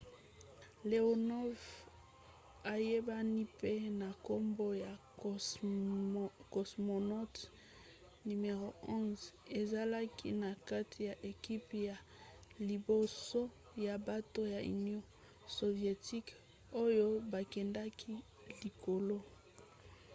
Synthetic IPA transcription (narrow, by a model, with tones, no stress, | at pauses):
le˨o˨nɔ˦v | a˨je˦ba˦ni˦pe˦na˨ko˦mbo˦ja˨ | ko˨smo˨nɔ˦t | ny˨me˨ʁo˨ɔ̃˦ze˨za˦la˦ki˦na˨ka˦tʰi˨ja˨ʔe˨ki˦pja˨ | li˨bo˨so˦ | ja˨ba˦to˦ja˨y̰˨njɔ̃˦ | so˨vje˨ti˦k | o˦jo˦ba˨kɛ˨nda˦kʰi˦ | li˨ko˨lo˦